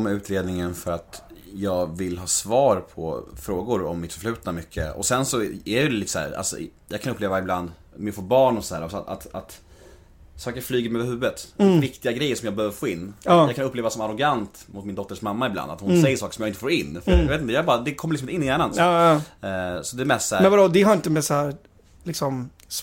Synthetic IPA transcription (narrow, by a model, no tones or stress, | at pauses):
mɛʉ̟ːt̪ɾeːd̪nɪŋənfœɾat̪jɑːɡvɪlːɦɑːsvɑːɾpʰɔ̰fɾoːɡʊɾɔ̰mːɪt̪fœʂɭʉ̟ːt̪namʏkʰːə̰ɔ̰sɛnsɔæɾɛjɪd̪ɛliːt̪əsæ̰ːɾa̰lsɔ̰jɑ̰ɡkʰanɵpleːvaɪbland̪ | mɛfoːɾbɑːɳɔsd̪æːɾɔsa̰t̪at̪ | sɑːkəɾflyːɡəɾmɛøːvəɾhɦʉ̟ːət̪vɪkt̪ɪɡaɡɾɛjːəɾʂɔmjɑːɡbəhøːvəɾfoːɪnːjɑːɡkʰanɵpːleːvasɔmaɾɔɡant̪mʊt̪mɪnd̪ɔt̪ːəʂmamːaɪbla̰nd̪at̪hʊnnsɛjːəʂɑːkə̥ʂɔmjaːɪnt̪ə̥foːɾɪnːfœɾjeːt̪nt̪əjɑːbɑːɾad̪ɛkʰɔmːɾlɪksmɪɪnːjæːɳan | sɔd̪ɛɛɾmɛst̪sæmɛnvad̪od̪ɛɦaɾjɪnt̪əmɛshæːɾ | lɪksɔm | s